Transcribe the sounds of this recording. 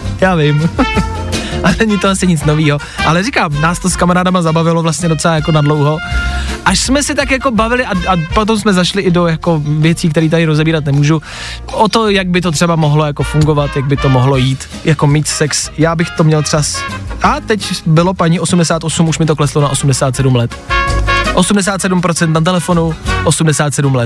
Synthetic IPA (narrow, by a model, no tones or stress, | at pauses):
jaːvɪm | ʔanɛɲɪt̪oʔasɪɲɪt͡sno̞viːɦo | ʔalɛɾikaːmnaːst̪oskamaɾaːdamazabavɪlovlast̪ɲɛdo̞t͡sɛlaːjako̞nadlowɦo̞ʔaʃsmɛsɪt̪akjako̞bavɪlɪʔaʔapot̪̬oms̬mɛzaʃlɪʔɪdojako̞vjɛt͡siːk̚t̪ɛɾiːt̪aɾɪɾozɛbiːɾat̪nɛmuːʒu | ʔot̪o̞jaɡ̚bɪt̪o̞t̪r̝̥ɛbamoɦlo̞jako̞fuŋɡo̞vat̪jaɡ̚bɪt̪o̞moɦlo̞jiːt̪ | jako̞miːt̪sɛksjaːbɪxt̪o̞mɲɛlt̪t͡ʃaasʔat̪ɛcbɪlopaɲiːʔo̞sumdɛsaːt̪ʔo̞sumuʃmɪt̪oklɛslonaʔo̞sumdɛsaːt̪sɛdumlɛt̪ | ʔo̞sumdɛs̬aːt̪sɛdumpɾot͡sɛnt̪nat̪̬ɛlɛfo̞nuʔosumdɛsaːt̪sɛdumlɛ